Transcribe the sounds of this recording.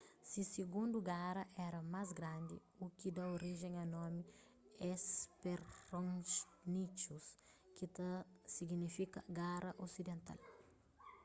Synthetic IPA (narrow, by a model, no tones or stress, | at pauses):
sisiɡũnd̪uɡaɾɐʔɛɾɐmazɡɾãnd̪ḭ | ukid̪ɐoɾiʒẽŋɐnɔmi | ɛspeɾɾõ | nit͡ʃus | kit̪ɐsiɡnifikɐ̰ɡaɾɐʔosid̪ẽnt̪a̰l